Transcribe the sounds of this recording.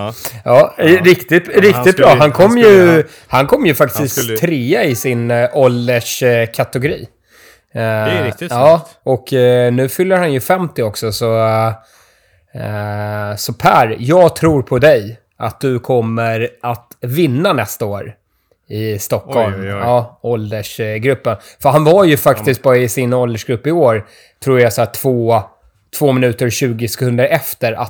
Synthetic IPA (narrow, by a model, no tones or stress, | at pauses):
jɑːɾɪkt̪ɪɾɪk̚t̪ɪt̪̚bɾɑːɦankʰɔmːjɵ | hankʰɔmːjɵfak̚t̪ɪskt̪ʰːɾeːaɪsɪnɔlːəʂkʰat̪ɛɡʊɾiː | ɑːɔknʉ̟ːfʏlːəɾhanjɵfɛmt̪ɪɔksɔsɔ | sɔpʰæɾjɑːɡt̪ʰɾuːɾpʰɔd̪ɛj | ʔa̰t̪̚d̪ɵkʰɔmːəɾʔat̪vɪnːanɛst̪aoːɾ | ɪst̪ɔkːɔlmɑːɔld̪əʂɡɾɵpːən | fœɾɦanvaɾjɵfakt̪ɪskt̪̚bɑːɾaɪsɪnɔld̪əʂɡɾɵpːɪoːɾ | t̪ʰɾuːɾjasæːʈʰv̥oː | t̪ʰv̥oːmɪnʉ̟ːt̪əɾɕʉ̟ːɡɪsɛ̥kʰɵnd̪əɾɛft̪əɾa̰